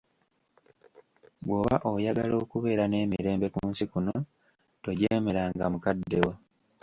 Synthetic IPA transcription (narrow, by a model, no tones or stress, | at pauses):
ɡwoːβa̰ʔojaɡalo̞ːkuβe̞ːɾane̞ːmiɾe̞ːmbe̞kuːnsikuno | to̞ɟeːme̞ɾaŋɡamukadːewa